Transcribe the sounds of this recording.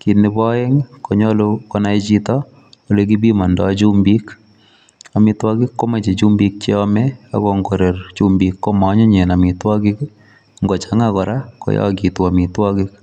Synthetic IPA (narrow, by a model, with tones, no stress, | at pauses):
ki˨nɪ˧pɔ˦e˦ŋko˨ɲɔ˦lokɔ˦na˦i˦t͡ʃi˦tɔ˦ | o˨le˧k̬i˦bi˦ma˨ndɔ˨t͡ʃu˦mbi˦k | a˨mɪ˧twɔ˦kɪ˦kːo˦me˨t͡ʃe˨t͡ʃu˦mbi˧k̚t͡ʃe˦ɔ˦mɛ˦a̰˦kɔ˦ŋɡo˨ɾe˨rt͡ʃu˦mbi˨kːo˦ma˨˦ɲɔ˦ɲe˨na˨mɪ˨twɔ˦kɪ˦k | ŋɡɔ˨t͡ʃa˨˦ŋakɔ˨ɾa˦kɔ̰˦jɔ̰˦ki˨tu˨a˨mi˨twɔ˦kɪ˦k̚